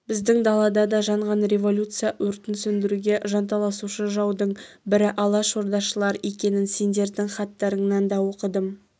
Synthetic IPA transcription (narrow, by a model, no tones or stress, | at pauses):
bɪzd̪ɪŋd̪ɑlˠɑd̪ɑd̪ɑʒɑɴʁɑnɾʲe̞vo̞lʲut̪sɨjaʔɵɾt̪ɪnsɵnd̪ɪɾuɡʲe̞ʒɑnt̪ɑlˠɑsuʃəʒɑwd̪əɴbɪɾɪʔɑlˠɑʃo̞ɾd̪ɑʃəlˠɑɾe̞kʲe̞nɪnse̞nd̪e̞ɾd̪ɪŋχɑt̪ːɑɾəɴnɑnd̪ɑwo̞qəd̪əm